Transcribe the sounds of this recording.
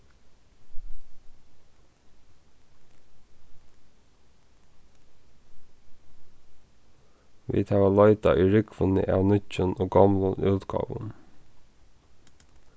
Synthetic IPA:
ʋḭːt̪ʰɑʋɑlɑɪt̪ɑʔiːɹʏkʋənə̰ʔɑːʋnʏcənoːɡɑmlənʉːt̪ɡɑ̰ːʋə̰n

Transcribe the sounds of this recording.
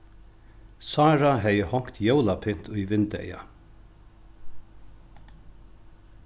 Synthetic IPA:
saːɾaɦɛjəhɔŋ̥kt̪jowlapʰɪn̥t̪ʰʊjʋɪnt̪ɛ̰ja̰

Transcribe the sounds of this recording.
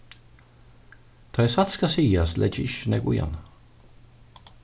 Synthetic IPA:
t̪ʰɑjsat̪skasiːaslʔɛ̰d͡ʒɪʃnɛɡṵja̰n

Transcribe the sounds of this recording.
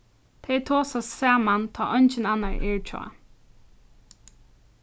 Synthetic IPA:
t̪ʰɛjt̪ʰoːsassaːmant̪ʰaːʔɔnt͡ʃɪnanaɹʔɛ̰ɹt͡ʃʰɔ̰a̰

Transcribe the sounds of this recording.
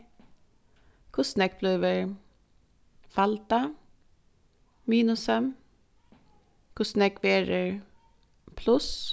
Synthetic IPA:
kʰʊsnɛkpʰlœːʋəɹ | falt̪a | miːnʊsɛm | kʰʊsnɛkʋeːɾəɹ | pʰlʉs

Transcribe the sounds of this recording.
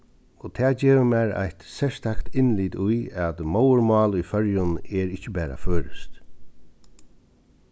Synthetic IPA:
ot̪ʰɛːd͡ʑeːʋəmɛɹa̰jht̪sɛɹst̪ʰakt̪ʰɪnliːd̪ʊjat̪mowəɹmɑːlʊjfœɹjʊnɛɹɪhcːɪbæːɾa̰føːɹɪst̪

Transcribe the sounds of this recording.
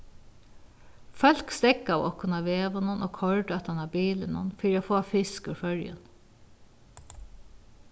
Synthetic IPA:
fœl̥kst̪ɛkːaʋɔ̰kʊnaʋeːʋʊnʊnʔo̰ːkʰɔɹɖɛt̪anabiːlənʊ̰nfiːɾoːfoːfɪskʏfœɾjə̰n

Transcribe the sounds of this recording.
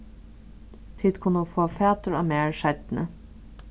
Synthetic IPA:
t̪ʰɪːd̪kʰʊnəuːfoːfæːt̪əɹɑːmeːɹʃɛt̪nə

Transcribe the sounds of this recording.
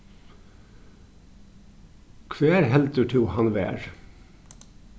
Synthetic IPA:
kʰʋeːɾɦɛlt̪əʈʰuːhɑnʋæ̰ːɹ

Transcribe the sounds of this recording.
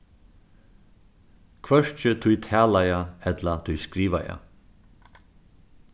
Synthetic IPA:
kʰʋœʂt͡ʃət̪ʰʉjt̪ʰæːlajaɛt̪lɐt̪ʰʉjskɾiːʋa̰ja̰

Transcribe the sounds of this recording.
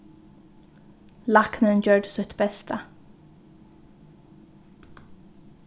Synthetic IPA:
laknənd͡ʒœɹɖsʊht̪bɛst̪ʰə

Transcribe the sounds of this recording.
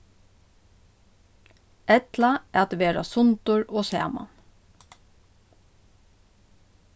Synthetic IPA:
ʔɛt̪lɑæːɑt̪ʋeːɹɑ̰sʊnt̪ʊɹʔoːsḛːmɑ̰n

